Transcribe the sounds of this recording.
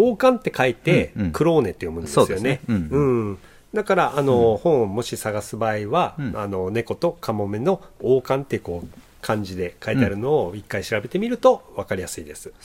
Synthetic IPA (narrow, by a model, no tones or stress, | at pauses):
o̞ːkãnt̪ːe̞kait̪e̞kɯ̟ɾo̞ːne̞t̪ːe̞jo̞mɯ̟̃ndosɨjo̞ne̞ɯ̟̃ɴ | d̪akaɾaʔano̞hõ̞ɰ̃mo̞ɕisaɡasɨbaːiβaano̞ne̞ko̞t̪o̞kamo̞me̞no̞oːkãnt̪ːeɯ̟ko̞ː | kʰãɲ̟d͡ʑid̪e̞kait̪eaɾɯ̟no̞ːikːaiɕiɾabe̞t̪e̞mʲiɾɯ̟t̪o̞βakaɾʲijasɨid̪e̞sɨ̥